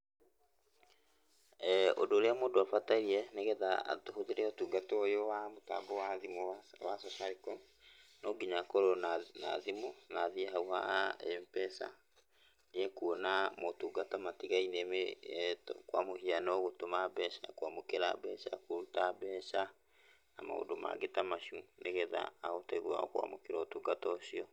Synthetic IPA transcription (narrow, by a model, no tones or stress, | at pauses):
ɛo̰doːɾeamoːndoafataiɾiɛneɣɛðaa̰tohoðeɾeotuɡatoojowamota̰ɡowaðimowa̰sɔsaɾikɔ | noɡiɲakoɾona̰ðimonaðiɛɦauhaempɛsa̰ | neɛkuonamotuɡatamatiɣainemetkwa̰mohianɔɣotomabɛʃa̰kwamokeɾa̰bɛʃa̰koɾutabɛʃa | na̰ma̰o̰doma̰ɡetamaɕuneɣɛða̰ːotɛɣwa̰ɔ̰kwa̰mo̰keɾɔtuɡatɔsiɔ